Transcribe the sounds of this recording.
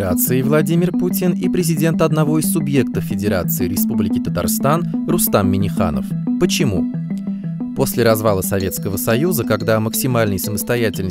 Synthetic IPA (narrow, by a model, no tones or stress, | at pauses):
at̪sɨɪvlˠɐdʲimʲɪrputʲɪnipɾʲɪzʲɪdʲe̞nt̪ɐd̪nɐvo̞ɪsʲsːʊbje̞k̚t̪əffʲɪdʲɪɾa̰t̪sɨɪɾʲɪspublʲɪkʲɪt̪ət̪a̰rst̪anrʊst̪amːʲɪnʲɪxa̰nə̰fpət͡ɕɪmṵ | po̞sʲlʲɪɾɐzvalˠəsɐvʲe̞t̪skəvəsɐjuzəkɐɡd̪aməksʲɪmalʲnəjsəməst̪ɐjætʲɪlʲnə